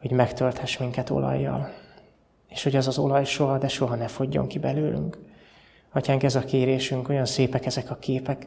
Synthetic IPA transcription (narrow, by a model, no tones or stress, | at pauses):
ho̞ɟmɛkt̪ølt̪hɛʃmiŋkɛt̪o̞̰lɒ̰jːɒ̰l | eːʃho̞ɟɛzɒzo̞̰lɒjʃo̞ɦɒd̪ɛʃo̞ɦɒnɛfo̞ɟːo̞̰ŋkibɛløːly̰ŋk | ɒcaːŋkɛzɒkeːɾeːʃyŋko̞jɒnseːpɛkɛzɛkɒkeːpɛk